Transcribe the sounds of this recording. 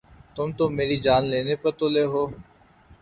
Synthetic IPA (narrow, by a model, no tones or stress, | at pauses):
t̪ʊmt̪oːmeːɾiːd͡ʒaːnleːneːpəɾt̪oːleːɦoː